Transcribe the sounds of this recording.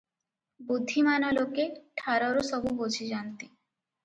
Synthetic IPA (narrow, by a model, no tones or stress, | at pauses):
bud̪ʱːimanɔlokeʈʰaɾɔɾosɔbubod͡ʑʰʱid͡ʑant̪i